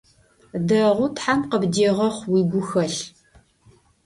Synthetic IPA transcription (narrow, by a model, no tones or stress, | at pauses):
dɐʁʷʊtħamqəbdeːʁɐχʷwiːɡʷʊxɐɬ